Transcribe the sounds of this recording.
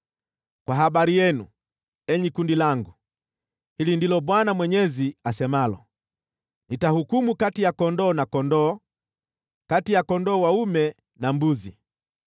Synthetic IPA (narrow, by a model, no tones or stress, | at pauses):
kwaɦaɓaɾijɛnu | ɛɲikundilaŋɡu | hilindilɔɓwanamwɛɲɛziasɛmalɔ | nitahukumukatijakɔndɔːnakɔndɔː | katijakɔndɔːwaumɛ | nambuzi